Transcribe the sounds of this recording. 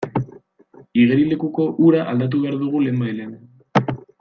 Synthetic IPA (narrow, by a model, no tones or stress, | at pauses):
iɣeɾile̞kuko̞ʔuɾaʔald̪at̪̬uβe̞aɾðuɣ̞ule̞ːmbajlean